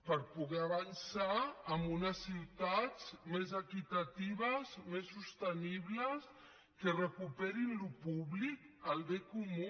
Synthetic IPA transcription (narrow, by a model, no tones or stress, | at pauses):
pəɾpuɣɛaβansaːmbunəsːiwt̪ad͡zmezəkit̪at̪iβəzmesːust̪əniβləs | kərəkupɛɾinlupuβlik | əlˠd̪ekumu